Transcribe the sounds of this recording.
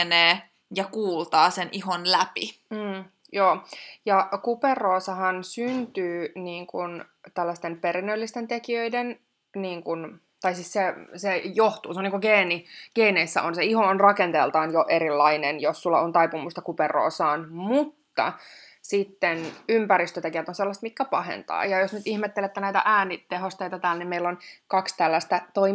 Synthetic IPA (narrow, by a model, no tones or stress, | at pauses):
neː | jɑkuːlt̪ɑːseniɦonlæpḭː | joːjɑkuperːoːsɑhɑnsynt̪yːniːŋkunt̪ælːæst̪empeɾinːølːist̪ent̪ekiøiden | niːŋkun | t̪ɑisissesejoht̪uːseonːiːŋkuɡeːniɡ̥eineisːæ̰ʔonseihoonrɑkent̪elt̪ɑːnjoʔeɾilːɑinenjossulːɑont̪ɑjpumust̪ɑkuperˑo̰ːsɑːnmut̪ːɑ̰ | sit̪ːenympæɾist̪øt̪ekiʋæt̪onselːɑst̪mit̪kːæpɑhḛnt̪ɑ̰ːjɑjosnyt̪ihmet̪ːelet̪ːenæit̪æ̰ʔæːnit̪eɦost̪eit̪ɑt̪æːlnimmeilːonkɑkst̪ælːæst̪æt̪oi